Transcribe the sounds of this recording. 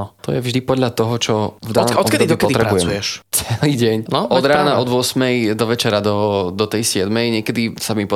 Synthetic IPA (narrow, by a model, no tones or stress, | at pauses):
ɔt̪ɔjɛvʒd̪ipɔd̪ʎat̪ɔɦɔt͡ʃɔvd̪anɔt̪kɛd̪id̪ɔkɛɔt̪iɾɛɾabujɛujɛʃt͡sɛliːɟɛɲnɔʔɔd̪ɾaːnaʔɔd̪ʋʊɔsmɛjd̪ɔʋɛt͡ʃɛɾad̪ɔd̪ɔt̪ɛjsɪɛd̪mɛjɲɪɛkɛd̪isamipɔ